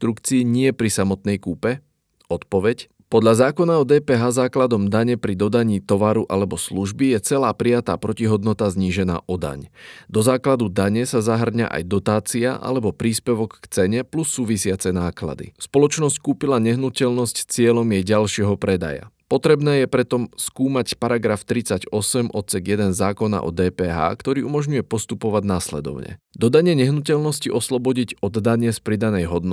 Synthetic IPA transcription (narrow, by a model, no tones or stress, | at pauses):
t̪ɾukt͡siːɲɪɛpɾisamɔt̪̚nɛjkuːpɛ | ɔt̪pɔʋɛc | pɔd̪ʎazaːkɔnaɔd̪ɛːpɛːɦaːzaːklad̪ɔmd̪aɲɛpɾid̪ɔd̪aɲiːt̪ɔʋaɾuʔalɛbɔsluʒbijɛt͡sɛlaːpɾijat̪a̰ːpɾɔciɦɔd̪nɔt̪azɲiːʒɛna̰ːʔɔd̪a̰ɲd̪ɔzaːklad̪ud̪aɲɛsazaɦr̩ɲa̰ʔa̰jd̪ɔt̪aːt͡siaʔa̰lɛbɔpɾiːspɛʋɔkːt͡sɛɲɛplusːuːʋisɪat͡sɛnaːkla̰d̪ḭspɔlɔt͡ʃnɔsckuːpilaɲɛɦnucɛlnɔscst͡sɪɛlɔmjɛjɟalʃɪɛɦɔpɾɛd̪a̰ja̰pɔt̪ɾɛbnɛːjɛpɾɛt̪ɔmskuːmacpaɾaɡɾaft̪ɾit͡saɟɔsɛmʔɔt̪t͡sɛɡjɛd̪ɛnzaːkɔna̰ʔɔ̰d̪ɛːpɛːɦa̰ːkt̪ɔɾiːumɔʒɲujɛpɔst̪upɔʋaɟnaslɛ̰d̪ɔ̰ʊɲɛ̰d̪ɔd̪aɲɪɛɲɛɦnucɛlnɔsciʔɔslɔbɔɟicɔd̪ːaɲɪɛspɾid̪anɛjɦɔd̪nɔ